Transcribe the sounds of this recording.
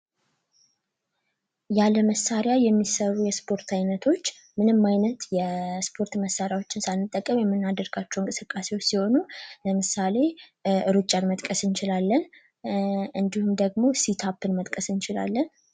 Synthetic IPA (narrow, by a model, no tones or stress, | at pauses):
jaləməsːaɾjajɛmːisərːujɛspʰo̞ɾt̪ʰajnət̪ʰo̞t͡ʃː | mɨnɨmːajnət̪jɛspʰo̞ɾt̪məsːaɾjawo̞t͡ʃːɪnsalmɨt̪ʼːəkʼːəmjɛmːɨnːad̪əɾɡat͡ʃːɛwɨnkʼɨsɨkʼːasewot͡ʃːsiho̞nuləmɨsale̞ɨɾut͡ʃʼːanmət̪ʼkʼəsɨnt͡ʃɪlalːən | ɨnd̪ihumd̪əɡmo̞sit̪ʰapːɨnmət̪ʼkʼəsɨnt͡ʃɪla̰lːən